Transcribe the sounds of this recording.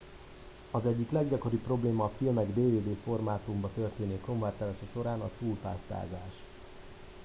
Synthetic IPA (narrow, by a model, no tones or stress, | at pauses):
ɒzɛɟːiklɛɡɟɒko̞ɾipːro̞bleːmɒːfilmɛɡd̪eːveːd̪eːfo̞rmaːt̪umbɒt̪ø̞rt̪eːneːko̞ɱvaːrt̪ɛlaʃɛʃo̞ɾaːnɒt̪uːlpa̰ːst̪a̰ːza̰ːʃ